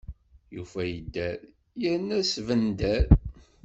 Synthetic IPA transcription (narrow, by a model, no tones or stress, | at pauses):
jṵfæjəd̪ːæɾ | jəɾnæsvənd̪æɾ